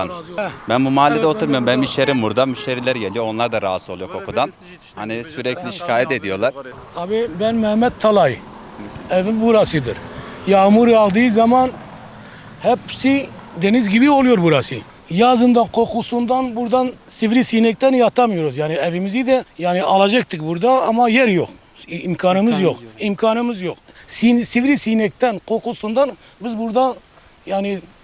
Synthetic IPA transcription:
anbɛnbumaːlʲːɛd̪ɛot̪ʰuɾmɯjombɛnmiʃt̪eɾimbuɾd̪amyʃt̪eɾilʲɛɾɟelʲijoonlˠaɾd̪aɾaasɯo̞lˠujoɾkʰokʰud̪an | hanisyɾɛcʰlʲiʃi̥kʰaːjɛt̪ed̪ijo̞lˠaɾ | abibɛnmɛhmɛt̪̚t̪ʰːalˠaj | ɛvimbuɾasɯd̪iɾjɑmuɾiɑlˠd̪ɯizɑmɑn | hɛpsid̪enɪzɡʲibiolˠujoɾbuɾɑsɨ̰ | jɑːzɨnd̪ɑnqʰoqʰusund̪ɑnbuɾd̪ɑnsivɾisinɛk̚ʲt̪ɛnjɑt̪ʰɑmjoɾozjaːniævimɪzid̪ɛjɑːniʔɑlˠɑd͡ʒek̚t̪ɪkʲbuɾd̪ɑɑmːɑjɛɾjoq | imkʰɑːnɨmɪzjoqimkʰɑːnɨmɪzjoqsinsivɾisinɛk̚t̪ɛnqʰoqusund̪ɑn | bɪzbuɾd̪ɑ | jɑni

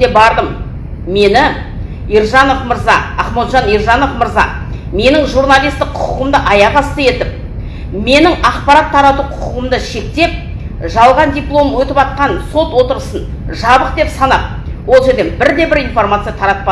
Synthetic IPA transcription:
ebɑɾd̪əm | me̞nɪ | ijɾʒɑno̞fməɾzɑɑχmot̪ʒɑnijɾʒɑno̞fməɾzɑ̰ | me̞nɪŋʒuɾnalʲˠijst̪ɪqʰʊqʰʊʁəmd̪əʔɑjɑʁɑst̪əje̞t̪ɪp̚ | me̞nɪŋɑqpɑɾɑt̪ʰːɑɾɑt̪uqʰʊqʰəəmd̪əʃe̞k̚t̪e̞p̚ | ʒɑlˠʁɑnd̪ʲijplˠo̞mwɵt̪ɪpɑt̪̚qɑnso̞t̪wo̞t̪əɾəsən | ʒɑbəq̚d̪e̞psɑnɑp̚ | wo̞lˠʒe̞ɾd̪e̞nbɪɾd̪e̞bɪɾijnfo̞rmat̪sɨjat̪ʰɑɾɑt̪̚pɑ

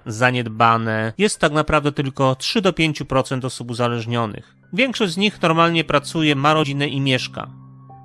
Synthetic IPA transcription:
zaɲɛd̪banɛjɛst̪ːaknapɾavd̪ɛt̪ɘlkɔtʂɘd̪ɔpʲjeɲt͡ɕupɾɔt̪sɛnt̪ɔsupuzalɛʐɲɔnɘ̰x | vʲjɛŋkʂɔʑd͡ʑ̪zɲixnɔɾmalɲɛpɾat̪sujɛmaɾɔd͡ʑinɛʔimʲjɛʂka̰

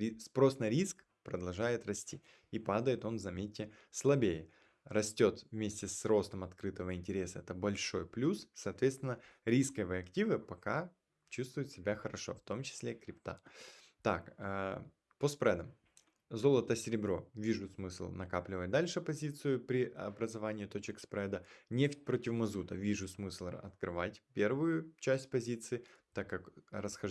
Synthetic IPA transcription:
ɾʲispɾo̞snɐɾʲisk | pɾəd̪ɐlˠʐajɪt̪rɐsʲtʲi | ipad̪əjɪt̪o̞nzɐmʲetʲːɪslˠɐbʲejɪ | rɐsʲtʲo̞t̪vmʲesʲtʲɪsro̞st̪əmɐt̪kɾɨt̪əvəɪnʲtʲɪɾʲe̞səɛt̪əbɐlʲʂo̞jplʲussɐːt̪vʲet̪st̪vɪnːəɾʲiskəjvəɐktʲivɨpɐka | t͡ɕust̪vʊjʊt̪sʲɪbʲaxəɾɐʂo̞̰ft̪o̞mt͡ɕɪ̥sʲlʲekɾʲɪpt̪a̰ | t̪a̰kə | pospɾɛd̪əm | zo̞lˠət̪əsʲɪɾʲɪbɾo̞̰vʲiʐʊsmɨslˠnɐkaplʲɪvət̚ʲd̪alʲʂɨpɐzʲit̪sɨjʊpɾʲɪʔɐbɾəzɐvanʲɪɪt̪ot͡ɕɪkspɾɛd̪ənʲe̞ftʲpɾo̞tʲɪvmɐzut̪əvʲiʐʊsmɨslˠɐ̰t̪kɾɨvatʲpʲe̞rvʊjʊt͡ɕæsʲt̚ʲpɐzʲit̪sɨɪt̪akːɐkrəsxɐ

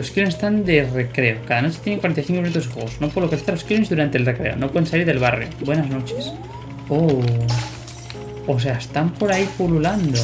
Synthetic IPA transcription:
oskilonsest̪and̪ere̞kɾe̞okaðanot͡ʃe̥t̪jeeŋkwaɾenajθiŋkoinunt̪os̬ixweɣosnopwoðokali̥θaɾlo̞skilonzðuɾant̪elre̞kɾe̞̰o̰nopwe̞ðensaliɾðe̞lβ̞arjo̰bwe̞nazno̞t͡ʃes | o | os̬e̞aest̪ampo̞ɾaipululand̪o

